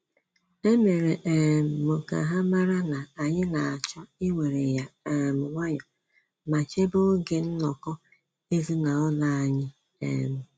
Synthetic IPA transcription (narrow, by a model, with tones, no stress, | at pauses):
e˦me˨ɾe˨ʔe˨m̩˨mo˨ka̰˨ɦa˦ma˦ɾa˦na˨a˨ɲɪ˦na˨a˨t͡ʃɔ˦i˦we˨ɾe˨ja˨e˨mʊ˨ŋʷa˦ɲɔ˨ | ma˨t͡ʃe˦bo˦ɡe˨n̩˦nɔ˨kɔ˦ | e˦zi˦na˨ɔ˦la˦a˨ɲɪ˦ | ḛ˨m̩˨